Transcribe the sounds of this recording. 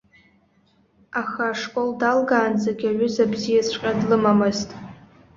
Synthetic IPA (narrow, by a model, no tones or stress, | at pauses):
axaːʂkʷʼo̞ldalɡaːnd͡zaɡʲaɥʊzabzijasʷqʲʼadlɨmamɨztʼ